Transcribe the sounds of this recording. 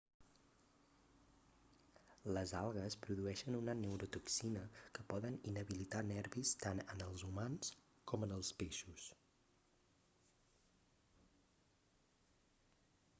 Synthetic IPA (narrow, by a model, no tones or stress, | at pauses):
ləzalˠɣəspɾuðuɛʃənunənəwɾut̪uksinəkəpɔðəninəβilit̪anɛɾβist̪anənəlˠzumans | kɔmənəlˠspeʃus